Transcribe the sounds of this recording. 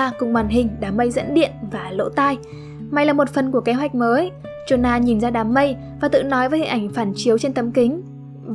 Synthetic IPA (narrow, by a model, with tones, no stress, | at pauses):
kʊ˨˩ŋ͡mwaː˨˩nɦï˨˩ŋ̟ɗaː˨˦mːə˧jzə̰˧˥nɗḭ˧˨ənvaː˨˩lo̰˧˥t̪aː˧j | ma˨˩jlaː˨˩mo˨˩t̚fə˨˩nku˧˩əke˨˦ɦwa˨˩jk̟̚məː˨˦j | t͡ɕu˧˩naː˧ɲi˨˩nzaː˧ɗaː˨˦mːə˧j | vaː˨˩t̪ɨ̰˧˨nɔ˨˦jvəː˨˦jhḭ˨˩ŋʔa˧˩ŋ̟faː˧˩nt͡ɕi˨˦əwt͡ɕe˧nt̪ə˨˦mkï˨˦ŋ̟